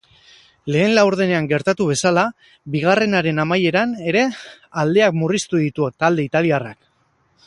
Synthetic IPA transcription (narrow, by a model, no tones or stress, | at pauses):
le̞ːnlawɾð̞e̞ne̞aŋɡe̞ɾt̪at̪uβ̞e̞sala | biɣ̞are̞naɾe̞namaje̞ɾane̞ɾe̞ | ald̪e̞akmurist̪uðit̪uot̪ald̪e̞it̪aliarak